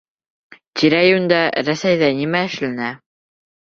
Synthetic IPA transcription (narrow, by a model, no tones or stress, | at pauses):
t̪ʲiɾæjund̪ɑɾæsæjðænimæɘ̆ʃlænæ